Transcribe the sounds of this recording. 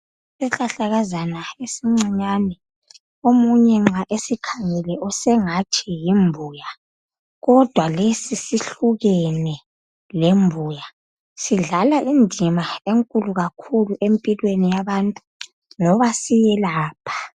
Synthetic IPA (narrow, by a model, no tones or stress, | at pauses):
sɛɬaɬaɣazanaesiŋ͡ǀiɲanɛ | omuɲɛŋ͡ǁaʔesikʰaŋɛlɛʔɔsɛŋat͡ʃʰɛjimbʱuːja | ɣɔd̥ʱwalesisiɬuɣɛnɛ | lembʱuːja | siɮalaʔindʱimaeŋkʼuluɣakʰuluʔempʼilwenijaβantʼu̥ | ŋɔβasijɛlaːpʰḁ